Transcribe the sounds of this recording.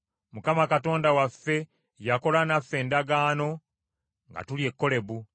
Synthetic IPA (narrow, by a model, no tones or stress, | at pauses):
mukamakato̞ːndawafːe̞ | jako̞lanafːe̞ːndaɡaːno̞ | ŋɡa̰tulje̞kːo̞le̞βu